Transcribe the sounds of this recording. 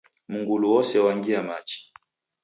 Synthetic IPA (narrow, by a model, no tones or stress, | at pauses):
muŋɡuluwɔsɛwaŋɡiamat͡ʃi̥